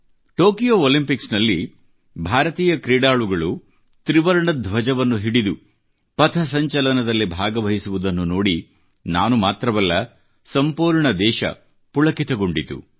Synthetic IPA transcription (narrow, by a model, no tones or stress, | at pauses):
ʈoːkijoːoːlimpiksnɐlːi | bʱaːɾɐt̪iːjɐkɾiːɖaːɭuɡɐɭu | t̪ɾiʋɐɾɐɳɐd̪ʱʋɐd͡ʒɐʋɐnːuɦiɽid̪u | pɐt̪ʰɐs̬ɐɲt͡ʃɐlɐnɐd̪ɐlːibʱaːɡɐʋɐɦisuʋud̪ɐnːunoːɽi | na̰ːnumaːt̪ɾɐʋɐlːɐ | sɐmpuːɾɳɐd̪ɛːʃɐ̰ | puɭɐkit̪ɐɡo̞ɳɖit̪ṵ